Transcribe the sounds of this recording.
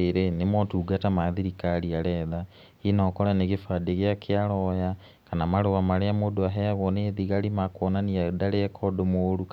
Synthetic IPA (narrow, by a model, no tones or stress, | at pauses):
eɾenemɔtuːɡatamaðiɾikaɾiaɾɛða | inɔkɔɾaneɣefadeɣeakʰeaɾɔja | kanamaɾewamaɾeamodoaɦɛaɣɔneðiɣaɾimakwɔnaniadaɾeɛkʰɔdomoɾu